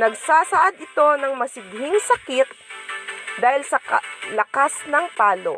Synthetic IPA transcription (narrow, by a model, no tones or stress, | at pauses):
nɐɡsaːsɐʔad̪ʔɪt̪o̞nɐŋmɐsɪɡhɪŋsɐkɪt̪̚ | d̪aːhɪlsɐkɐlɐkasnɐŋpaːlo̰